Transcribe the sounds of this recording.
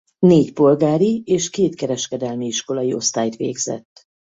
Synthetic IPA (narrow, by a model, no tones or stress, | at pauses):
neːcpo̞lɡaːɾieːʃkeːt̪kɛɾɛʃkɛd̪ɛlmiiʃko̞lɒjio̞̰st̪aːjt̪ʋḛːɡzɛ̰t̪ː